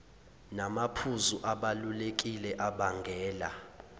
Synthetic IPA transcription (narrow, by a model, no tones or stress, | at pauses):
namapʰuzuʔaɓalulek̬ʼilɛʔaɓaŋɡʱɛːla̰